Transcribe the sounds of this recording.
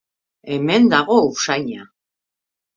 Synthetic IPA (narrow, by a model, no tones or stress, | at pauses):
e̞me̞nd̪aɣo̞usajɲa